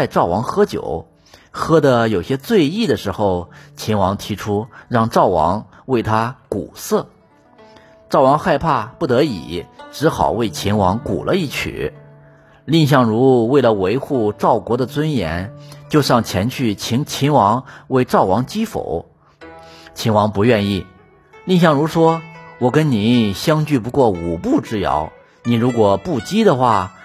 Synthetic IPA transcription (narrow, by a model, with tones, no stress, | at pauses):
t͡sa˥˧ɪʈ͡ʂɑ˥˩ʊwɑ˧˥ŋxɤ˥t͡ɕjo̰˨˩˦ʊ | xɤ˥d̪ə˧jo˨˩ʊɕjɛ˥t͡swe˥˧ɪi˥˩d̪ə˩ʂɻ̩˧˥xo˧ʊt͡ɕʰi˧˥nwɑ˧˥ŋt̪ʰi˧˥ʈ͡ʂʰu˥ɻɑ˥˧ŋʈ͡ʂɑ˥˩ʊwɑ̰˧˥ŋ | we˥˩ɪt̪ʰa˥kṵ˨˩sɤ˥˩ | ʈ͡ʂɑ˥˩ʊwɑ˧˥ŋxa˥˧ɪpʰa˥˧pu˥˩t̪ɤ˧˥ḭ˨˩˦ʈ͡ʂɻ̩˧˥xɑ˨˩ʊwe˥˩ɪt͡ɕʰi˧˥nwɑ˧˥ŋkṵ˨˩lʔə˦i˥˩t͡ɕʰy̰˨˩˦ | li˥˧ŋɕ̬jɑ˥˩ŋɻu˧˥we˥˩ɪlə˩we˧˥ɪxu˥˩ʈ͡ʂɑ˥˩ʊkwɔ˧˥d̪ə˧˨t͡swə˥njɛ̰˧˥nt͡ɕjo˥˧ʊʂɑ˥˩ŋt͡ɕʰjɛ˧˥nt͡ɕʰy˥˩t͡ɕʰi˧˥ŋt͡ɕʰi˧˥nwɑ˧˥ŋwe˥˧ɪʈ͡ʂɑ˥˩ʊwɑ˧˥ŋt͡ɕi˥fo̰˨˩˦ʊ | t͡ɕʰi˧˥nwɑ˧˥ŋpu˧˥ɥɛ˥˧ni˥˩ | li˥˧ŋɕ̬jɑ˥˩ŋɻu˧˥ʂwɔ˥wɔ˨˩kə˥nni˨˧˥ɕjɑ˥ŋt͡ɕy˥˩pu˧˥kwɔ˥˩u˨˩pu˥˧ʈ͡ʂɻ̩˥˩jɑ̰˧˥ʊ | ni˨˩ɻu˧˥kwɔ˨˩pu˥˩t͡ɕi˥d̪ə˨xwa˥˩